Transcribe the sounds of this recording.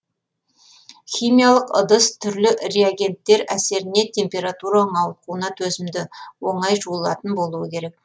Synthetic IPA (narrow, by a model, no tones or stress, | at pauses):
χʲijmijalˠəqəd̪əst̪ʰʏɾlɪɾeaɡʲe̞nt̪ːe̞ɾæse̞ɾɪne̞t̪ʲʰe̞mpʲe̞ɾat̪uɾaəɴɑwˠquənɑt̪ʰɵzɪmd̪ɪwo̞ɴɑjʒuəlˠɑt̪ənbo̞lˠuəkʲʰe̞ɾe̞k̚